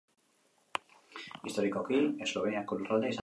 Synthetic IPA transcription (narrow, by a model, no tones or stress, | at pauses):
ist̪oɾikokilesloβeɲakulrald̪es